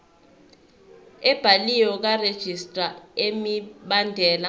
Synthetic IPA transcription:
ɛb̥ʱalijɔk̬ared̥ʒ̥ʱistʼraemiɓandʱɛːla

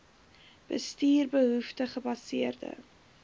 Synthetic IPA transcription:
b̥ə̰stiːrbəɦuftəχəbɐsiərdə̰

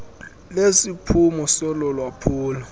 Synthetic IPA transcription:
lesipʰumɔsɔlɔlwapʰuːlɔ

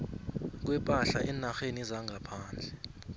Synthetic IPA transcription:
k̬wɛpʼaɬaʔɛnaxenizaŋʱapʰaːnd͡ɮʱɛ

